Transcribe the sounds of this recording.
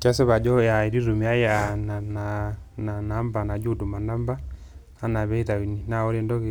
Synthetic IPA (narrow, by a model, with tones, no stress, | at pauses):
t͡ʃa˦se˦βa˨d͡ʒɔ˦ja˨i˨ɾi˦ɾu˨mi˨a˦jɛ˦a˨na˨nana˨na˦mba˨na˨d͡ʒu˦du˨ma˨na˦mba˦ | a˦na˨βɛ˦i˦ta˨wi˨ni˨na˨ɔ˦ɾe˦˨ndɔ˦ke˦